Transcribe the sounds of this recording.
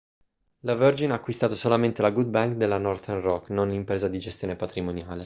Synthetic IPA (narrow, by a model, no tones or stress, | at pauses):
lavørd͡ʒinaːkːwist̪aːt̪osolament̪elaɡud̪̚baŋkd̪elanɔrt̪errɔkːnonimpɾeːzad̪id͡ʒest̪joːnepat̪ɾimonjaːle